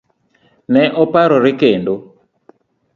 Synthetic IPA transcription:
nɛʔɔpaɾɔɾɪkendo

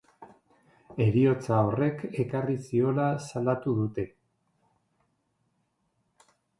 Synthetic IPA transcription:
e̞ɾio̞t͡sao̞re̞ke̞karisio̞lasalat̪uðut̪e̞

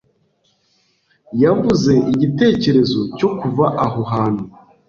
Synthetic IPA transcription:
javvuze̞iɟite̞ːce̞ɾe̞zo̞co̞kuvaʔaɦoɦaːn̥u

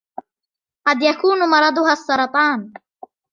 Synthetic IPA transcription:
qɑd̪jakuːnmɑɾˤɑd̪ˤʊɦaːsˤːɑɾˤɑt̪ˤɑːn

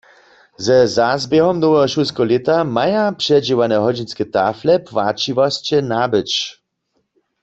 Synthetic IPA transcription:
zɛzazbjɛɦɔmnɔwɛɦɔʃuskɔlɛt̪amajapʂɛd͡ʒiwanɛɦɔd͡ʑinskɛt̪aflɛpwat͡ʃiʋɔst͡ɕɛnabɨt͡ʃ

